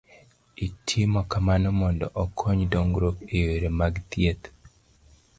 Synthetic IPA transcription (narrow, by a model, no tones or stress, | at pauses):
itʰimɔkamanomɔndɔʔɔkʰoɲdoŋɡɾokejeɾemaɡt̪jet̪